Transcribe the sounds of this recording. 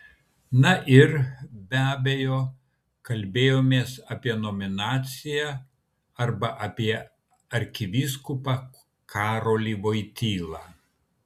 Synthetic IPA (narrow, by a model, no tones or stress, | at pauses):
nɐʔɪɾbʲæːbʲejoː | kɐlʲbʲeːjoːmʲeːsɑːpʲiɛnomʲɪnɑːt̪sʲɪjæ | ɐɾbɐʔɐpʲiɛ | ɐɾʲkʲɪʋʲiskʊpɑ | kʰɑːɾoːlʲiːʋoːɪt̪ʲiːlˠɑː